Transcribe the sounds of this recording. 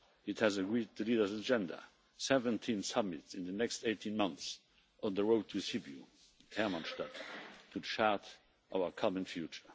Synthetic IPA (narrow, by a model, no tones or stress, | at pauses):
ɪthæzəɡɹiːd̚təliːdə˞zəd͡ʒɛ̃ndə̰ | sɛvə̃ntʰĩnsʌmɪtsɪ̃nðənɛksteɪtʰĩnmʌ̃nθs | ɔ̃nðəɹoʊd̚tʰusibjṵ | ɛmɑ̃nʃtattʰːudəʃaɹt | ʔaʊəkʰɔmə̃nfjut͡ʃə˞